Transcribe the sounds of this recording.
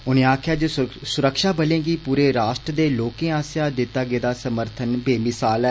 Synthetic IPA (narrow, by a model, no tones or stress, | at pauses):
ʊnẽːaːkʰjaːd͡ʒoːsʊɾəkʃaːbəlẽːɡiːpuːɾeːɾaːʃʈɾəd̪eːloːkẽːãːsjaːd̪ɪt̪ːaːɡeːd̪aːsəməɾt̪ʰənbeːmɪsaːlɛː